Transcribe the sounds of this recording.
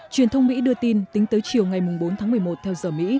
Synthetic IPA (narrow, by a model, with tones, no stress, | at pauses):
t͡ɕwi˨˩ənt̪ʰə˧wŋ͡mmḭ˧˥ɗɨ˧ət̪i˧nt̪ï˨˦ŋ̟t̪əː˨˦jt͡ɕi˨˩əwŋa˨˩jmʊ˨˩ŋ͡mɓo˨˦nt̪ʰaː˨˦ŋmɨ˨˩əjmo˨˩t̚t̪ʰɛ˧wzəː˨˩mḭ˧˥